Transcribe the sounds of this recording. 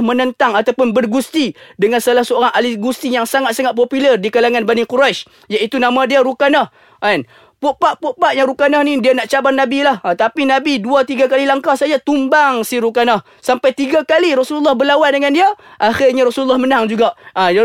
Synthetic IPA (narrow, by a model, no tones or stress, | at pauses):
mə̃nənt̪aŋat̪awpʊnbərɡust̪idəŋansəalahsəoɾaŋaliɡust̪ijaŋsaŋat̪̚saŋat̪̚popilərdikalaŋanbanikuɾaʃ | jait̪unamãdiaɾukanah | an | poʔpaʔpoʔpaʔjaŋɾukanahnidianaʔt͡ʃabarnabilahat̪apinabiduat̪iɡakalilaŋkahsajat̪umbaŋsiɾukanah | sampajt̪iɡakaliɾɔsululːahbərlawandəŋandiaʔaxɪrɲaɾɔsululːɔhmənaŋd͡ʒuɡaʔaj